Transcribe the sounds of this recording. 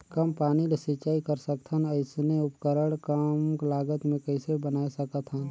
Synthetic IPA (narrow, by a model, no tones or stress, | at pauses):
kəmpaːnilesit͡ʃaːikəɾsəkt̪ʰənəɪsneʊpkəɾəɽkəmklaːɡət̪mẽkəɪsebənaːesəkət̪ʰɦən